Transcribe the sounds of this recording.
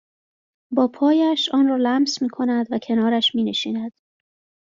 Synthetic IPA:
bɒːpʰɒːjæʃʔɒːnrɒːlæmsmiːkʰo̞næd̪væcʰe̞nɒːɾæʃmiːne̞ʃiːnæd̪̥

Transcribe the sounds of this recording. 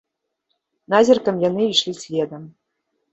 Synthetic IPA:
nazʲirkɐmjanɨiʂlʲisʲvʲed̪ɐm

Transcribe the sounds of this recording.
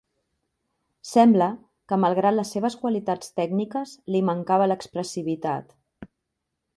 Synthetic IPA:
sɛmblə | kəməlˠɣɾat̪ləsːeβəskwəlit̪at͡st̪ɛɡnikəzliməŋkaβələkspɾəsiβ̞it̪a̰t̪

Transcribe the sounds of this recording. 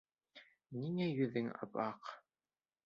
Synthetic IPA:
niŋæjɵðɘŋɑ̰pɑq

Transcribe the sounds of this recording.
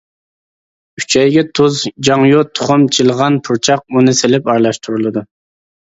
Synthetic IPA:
yt͡ʃʰɛjɡʲɛt̪ʰuzd͡ʒɑŋjot̪ʰːʊ̥χʊmt͡ʃʰilˠʁɑnpʰuɾt͡ʃʰɑq̚unɨselɪpɑɾlˠɑʃt̪ʰuɾulˠɨd̪u

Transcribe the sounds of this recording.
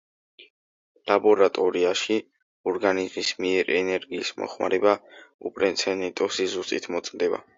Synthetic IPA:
labɔɾat̪ʼɔɾiaʃi | ɔɾɡanizmismiɛɾɛnɛɾɡiːsmɔ̰χma̰ɾɛbaupʼɾɛnt̪sʰɛnɛt̪ʼɔsizust̪ʼit̪ʰmɔt̪sʼmd̪ɛba̰

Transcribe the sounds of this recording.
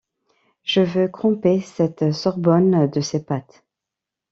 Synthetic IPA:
ʒ̥əvøk̪χɔ̃pesɛt̪sɔʁbɔnd̪əsepat̪

